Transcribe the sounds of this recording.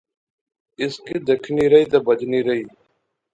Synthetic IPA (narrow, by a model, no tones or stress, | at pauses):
ɪskid̪ekʰniːɾɐiːt̪ɐbəd͡ʒniːɾɐiː